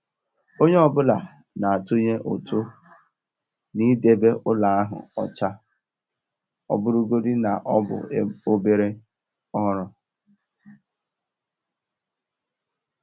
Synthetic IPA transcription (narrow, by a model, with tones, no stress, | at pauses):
o˦ɲe˦ɔ˨bʊ˦la˨ | na˨a˨tʊ˦ɲe˦ʔo˨tʰu˦ | ni˦de˨be˦ʔʊ˦la˨a˦ɦʊ̰˨ɔ˨t͡ʃa˦ | ɔ̰˦bʊ˦ɾu˦ɡo˦dɪ˦na˨ʔɔ˦bʊ̰˨˦o˦be˦ɾe˦ | ɔ˦ɾʊ˦